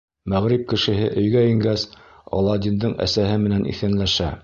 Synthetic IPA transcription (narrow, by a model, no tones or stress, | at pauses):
mæʁɾip̚kɘ̆ʃɘ̆ɦɘʔɵ̆jɡæĭŋɡæs | ɒ̰lˠɑd̪ʲind̪ɤɴæ̰sæɦɘmɘ̆nænʔḭθɘ̆nlæʃæ